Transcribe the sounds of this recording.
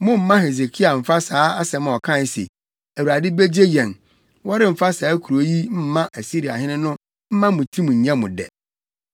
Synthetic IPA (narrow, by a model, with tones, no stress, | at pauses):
mʊ̃˦m̩˦mã˦ɦe˨z̬e˨kʰi˦a˨m̩˨fa˦saː˨˦a˦sɛ˨m̃˨ɔ˨kʰã˦˨n˨sḛ˨ | æ˨wu˨ɾa˨dɪ˦be˦d͡ʑe˦jɛ̃˨n | wɔ˦ɾɪ˦m̩˨fa˦saː˨˦kʰu˨ɾo˨˦ji˦m̩˦mã˦ʔæ˨si˦ɾi˨a˨hɪ̃˦nɪ̃˦nʊ̃˦ | m̩˦mã˦mʊ̃˨tʰĩ˦mũ˨ɲ̩˨ɲã˦mʊ̰̃˨dɛ̰˨